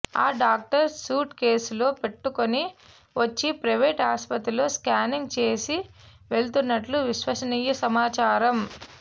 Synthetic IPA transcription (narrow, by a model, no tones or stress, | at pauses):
a̰ːɖaːk̚ʈɐɾsuːʈke̞ːslo̞ːpe̞ʈːukoni | ʋɐt͡ʃːipɾɐʋeːʈɦaːspɐt̪ɾulːoːskaːniŋɡt͡ʃe̞ːsi | ʋe̞ɭt̪unːɐʈluʋiʃʋɐʃɐniːjɐsɐmaːt͡ʃaːɾɐm